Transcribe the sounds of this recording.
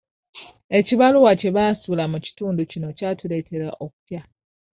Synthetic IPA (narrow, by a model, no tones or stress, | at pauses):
e̞ciβaluwace̞βaːsuːlamuci̥tuːnducino̞caːtule̞ːtʰe̞ɾa̰ʔo̞ku̥tja